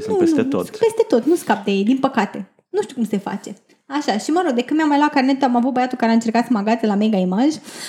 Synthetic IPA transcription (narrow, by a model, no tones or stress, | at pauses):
uensut̪et̪o̰t̪pe̞st̪et̪o̞t̪nuskap̚d̪ejejd̪inpəkat̪e̞ | nuʃt̪iukumse̞fa̰t͡ʃe̞ | aʃaʃiməɾo̞ɡ̚d̪e̞kɨnmʲejamːajlat̪karnet̪amavut̪̚bajat̪ukaɾeaɨnt͡ʃe̞rkat̪səmaɡat̪zelameɡaimaʒʲ